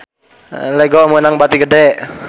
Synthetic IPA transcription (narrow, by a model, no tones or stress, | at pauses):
leɡɔmonaŋbat̪iɡədɛʔ